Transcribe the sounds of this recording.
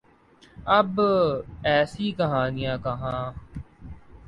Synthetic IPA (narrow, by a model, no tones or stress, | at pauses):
əb | ɛːsiːkəɦaːnɪjãːkəɦãː